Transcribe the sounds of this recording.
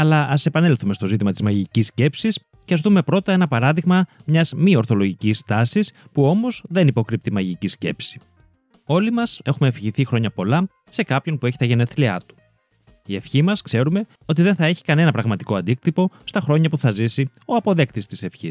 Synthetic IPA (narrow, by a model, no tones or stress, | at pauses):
ɐlɐɐse̞pɐne̞lθumest̪o̞zit̪imɐt̪izmɐʝicisce̞psis | ceɐzt̪ume̞pɾo̞t̪ɐe̞nɐpɐɾɐðiɣmɐmɲɐzmio̞ɾθo̞lo̞ʝicist̪ɐsispuo̞mo̞zðe̞nipo̞kɾip̚t̪imɐʝicisce̞̰psi̥ | o̞limɐse̞xumefiçiθixɾo̞ɲɐpo̞lɐ | se̞kɐpço̞npue̞çi̥t̪ɐʝene̞θliɐ̰t̪u̥ | ie̞fçimɐskse̞ɾume̞ | o̞t̪iðenθɐe̞çi̥kɐne̞nɐpɾɐɣmɐt̪i̥ko̞ɐnd̪ik̚t̪ipo̞st̪ɐxɾo̞ɲɐpuθɐzisio̞ɐpo̞ðe̞kt̪ist̪ise̞fçis